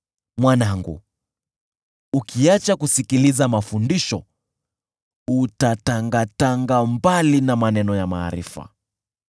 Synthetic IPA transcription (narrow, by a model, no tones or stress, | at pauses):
mwanaŋɡṵ | ukʰiat͡ʃakusikilizamafundiʃɔ | utataŋɡataŋɡambalinamanɛnɔjama̰ːɾḭfa̰